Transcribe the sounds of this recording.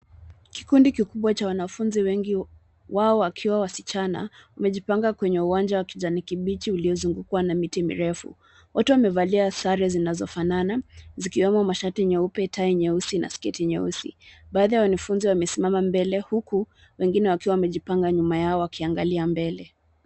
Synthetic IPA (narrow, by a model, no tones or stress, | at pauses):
ki̥kundikikuɓwat͡ʃawanafunziwɛŋɡi | waɔwakʰiwawasit͡ʃana̰wamɛʄipaŋɡakwɛɲɛuwand͡ʒawakid͡ʒanikiɓit͡ʃiuliɔzuŋɡukwanamitimḭɾɛfṵ | watɛwamɛvaliasaɾɛzinazɔfananazikiwɛmɔmaʃatiɲɛupɛtʰaiɲɛusina̰skɛtiɲɛusḭɓaːðijawanɛfunziwamɛsimamambɛlɛhuku | wɛŋɡinɛwakiwawamɛʄipaŋɡaɲumajaɔwakʰiaŋɡaliambɛlɛ